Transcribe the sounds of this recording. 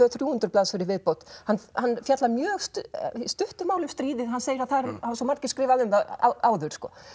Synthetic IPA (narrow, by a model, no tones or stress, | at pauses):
œθɾjuːhʏnt̪ʏɾplaːðsfɪɾɪvɪðpowt̪hanhanːfjat̪lamjœːɣst̪st̪ʏht̪ʏmaːwlʏ̥st̪ɾiːðɪðɦanːseːjɪɾaðθaðɾavaɾsɔmaɾ̥cɪ̥skɾɪːvaðʏmaa̰aːwðʏɾ̥skɔ̰ː